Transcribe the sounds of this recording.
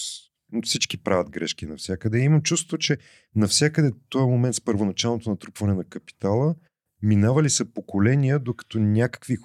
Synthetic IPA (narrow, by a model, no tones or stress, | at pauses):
fsit͡ʃkipɾavʲɐt̪̚ɡɾɛʃk̟inɐfsʲjakəd̪ɛimɐmt͡ʃust̪vot͡ʃɛ | nɐfsʲjakəd̪ɛt̪ɔjəmomɛnt̪spəɾvonɐt͡ʃalˠnot̪onɐt̪ɾupvɐnɛnɐkɐpi̥t̪alˠə | minavɐlisəpokolɛnijəd̪okɐ̥t̪ɔnʲakə̥kvi